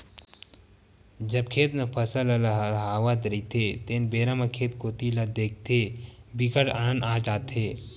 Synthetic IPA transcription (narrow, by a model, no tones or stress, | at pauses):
d͡ʒəb̚kʰeːt̪nepʰəsəlɐlaɦɦaːʋat̪ɾit̪ʰet̪eːnbeːɾamɐkʰeːt̪koːt̪ilad̪eːk̚ʰt̪ʰebikəʈaːnənaːd͡ʒaːt̪ɦeː